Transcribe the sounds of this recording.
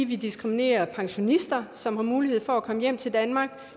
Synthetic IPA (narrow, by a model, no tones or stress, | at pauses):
ʋid̥isɡ̥ʁimine̝̰ːɐpʰɑ̈ŋɕo̝nisd̥ɐsɒ̽mhɑ̈muːlihe̝ð̞̰ˠfɒ̽ækʰɒ̽məjem̰t͡sʰe̝ld̥ænmɑ̈ːɡ̥̚